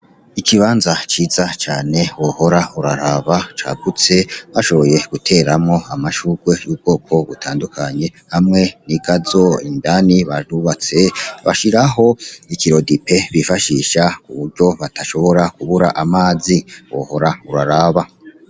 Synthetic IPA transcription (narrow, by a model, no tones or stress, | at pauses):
ikiβaːnzat͡ʃiːzat͡ʃaːne̞woho̞ɾauɾaɾaːβat͡ʃa̰ːɡut͡se̞βaʃo̞βo̞je̞ɡ̥utʰe̞ːɾamŋo̞amaʃuːɡ̥we̞juːb̚ɡo̞ːkʰo̞βutʰaːndukʰaɲe̞ | hamŋe̞niɡ̥azo̞ḭndaniβaduβat͡se̞βa̰ʃiɾaɦo̞ikiɾo̞dipe̞βifaʃiʃakuβuɾɟo̞βataʃo̞βo̞ɾakuβuɾa̰ʔamaːziwo̰ho̞ɾauɾaɾaːβa